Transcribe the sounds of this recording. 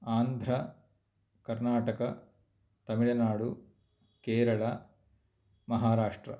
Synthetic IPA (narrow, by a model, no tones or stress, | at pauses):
aːnd̪ʱɾɐ | kɐɾnaːʈɐkɐ | t̪ɐmiɭɐnaːɽu | keːɾɐɭɐ | mɐɦaːɾaːʂʈɾɐ̰